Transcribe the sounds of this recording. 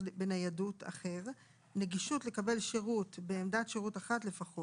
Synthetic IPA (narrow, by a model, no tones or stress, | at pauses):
benajadutʰa̰χe̞ʁ | ne̞ɡiʃutle̞kabe̞lʃeʁutbeːmdatʃeʁutaχatle̞faχo